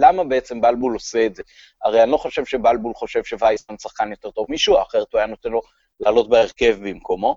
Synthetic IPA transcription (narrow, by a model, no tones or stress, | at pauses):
lamabeet͡se̞mbalbulo̞seːtze | aʁejanlo̞χo̞ʃe̞vʃe̞balbulχo̞ʃe̞vʃevajismansaχkanjo̞t̪e̞ʁt̪o̞vmiʃuaaχeʁetvajanot̪enlo̞ | laːlo̞t̚beeʁke̞vbimkomo̞